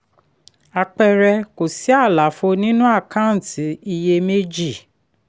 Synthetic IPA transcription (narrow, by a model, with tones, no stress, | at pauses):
a˧k͡pɛ˧ɾɛ˧ko˨si˨˦a˦˨la˨˦fo˧nĩ˦nũ˦a˦˨kã˦˨ti˨˦i˧je˧me˦d͡ʒi˦˨